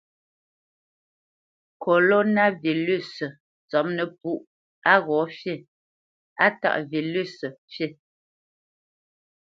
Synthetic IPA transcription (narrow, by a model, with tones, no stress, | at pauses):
kʰo˨lo˦na˦vi˨ly˦˨s | t͡sɔ˨˦mnə˨p̚u˦ʔ | a˦ɣɔ˨˦fje˦˨ | a˦ta̰˦˨ʔvi˨ly˦˨sə˨fje˦˨